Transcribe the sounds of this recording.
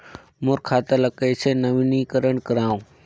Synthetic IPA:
mʊɾkʰaːt̪ələkeːt͡ʃʰeːnəʋiniːkəɾəɳkəɾãːũː

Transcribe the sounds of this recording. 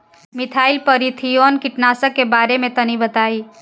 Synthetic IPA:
mit̪ʰaɪilpəɾit̪ʰijonkiʈnasəkːebaɾemẽt̪ənibət̪ai

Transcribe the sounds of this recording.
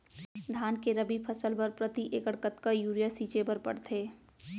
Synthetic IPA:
d̪ʱaːnkeɾəbipʰəsəlpɐɾpɾət̪iʔeːkəɽkət̪kajuːɾijasiːt͡ʃebɐɾpɐ̰ɽt̪ʰeː

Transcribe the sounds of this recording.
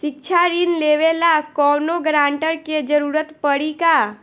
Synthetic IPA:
ʃɪk̚t͡ʃʰaɾɪnleːʋelakɔːnoɡɾãːɳʈəɾked͡ʒəɾuːɾət̪pəɽikaː

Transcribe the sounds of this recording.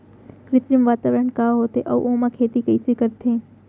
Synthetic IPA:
kɾɪt̪ɾəmʋaːt̪aːʋɾəɳkaːɦoːt̪eʔɔːʔoːmakʰeːt̪ikɐisekɐɾt̪eẽː

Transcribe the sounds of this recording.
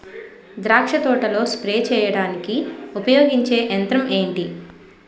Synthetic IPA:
d̪ɾaːkʂɐt̪ɔːʈɐlo̞ːspɾeːt͡ʃɛːjɐɽaːnikiupɐjoːɡiɲt͡ʃe̞ːʔɐnt̪ɾɐme̞ːɳʈi

